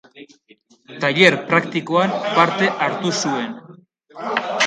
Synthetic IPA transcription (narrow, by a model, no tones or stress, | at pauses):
t̪aʎe̞ɾpɾakt̪ikoampaɾt̪e̞ʔaɾt̪usue̞n